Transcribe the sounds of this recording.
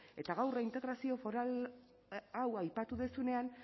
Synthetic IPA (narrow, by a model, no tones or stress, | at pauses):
e̞t̪aɣawraint̪e̞ɣɾasio̞fo̞ɾal | awajpat̪uðesune̞an